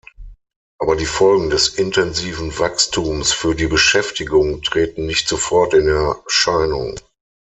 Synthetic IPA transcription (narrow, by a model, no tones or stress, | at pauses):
ʔaːbɐdiːfɔlɡŋ̩dɛsɪntʰɛnziːvn̩vakstʰuːmsfyːɐdiːbəʃɛftɪɡʊŋtʁ̥eːtn̩nɪçtz̥ofɔɐtɪnɛɐʃaɪnʊ̰ŋ